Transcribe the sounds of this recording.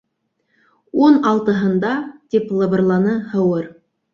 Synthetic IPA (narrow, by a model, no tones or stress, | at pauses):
wonɑlˠt̪ə̆ɦə̆nd̪ɑt̪iplˠəbərlˠɑnəhə̆wəɾ